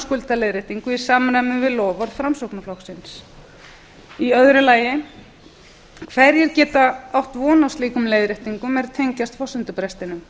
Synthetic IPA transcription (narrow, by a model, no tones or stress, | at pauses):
skʏlt̪aleːjðɾɪht̪iŋkʏi̥saːmɾajmʏvɪðlɔːvɔɾfɾamsowknaflɔxksɪns | iœðɾɪlaːjɪ | kʰvɛɾjɛɾcɛːt̪aawht̪vɔːnawst̪liːkʏmleːjðɾɪht̪iŋkʏmɛɾt̪ʰejɲcast̪fɔsʏnt̪ʏpɾɛst̪ɪnʏm